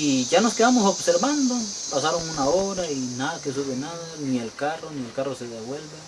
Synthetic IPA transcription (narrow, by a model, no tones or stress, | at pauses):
iʝano̞skeðamosobseɾband̪opasaɾoŋunaoɾainaðakes̬uβenaðanielkaronielkaroseðeβwe̞lbe